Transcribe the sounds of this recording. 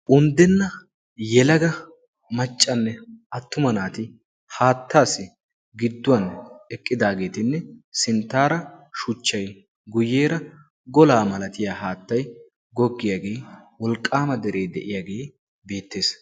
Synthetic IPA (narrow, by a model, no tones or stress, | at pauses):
ʔʊnd̪ɛnːɐ | jɛlɐɡɐ | mɐt͡ʃʼːɐnːɛɐt̪ːʊmɐnaːt̪ɪ | haːt̪ːaːsɪ | ɡɪd̪ːʊwɐnɛkʼːɪd̪aːɡe̞ːt̪ɪnːɛsɪnt̪ːaːɾɐʃʊt͡ʃːɐj | ɡʊjeːɾɐ | ɡɔlaːmɐlɐt̪ɪjaːhaːt̪ːɐj | ɡɔɡːɪjaɡe̞ːwɔlkʼːaːmɐd̪ɛɾe̞ːd̪ɛ̰ʔɪjaːɡe̞ː | be̞ːt̪ːe̞ːs